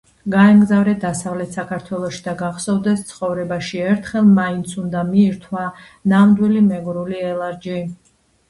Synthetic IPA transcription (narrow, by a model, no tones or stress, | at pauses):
ɡaɛmɡzavɾɛd̪asavlɛt̪ʰsakʰaɾt̪ʰwɛlˠɔʃid̪aɡaχsɔvd̪ɛst̪sʰχɔvɾɛbaʃiɛɾt̪ʰχɛlˠmaint̪sʰund̪amiːɾt̪ʰwa | namd̪wilimɛɡɾuliɛlˠaɾd͡ʒi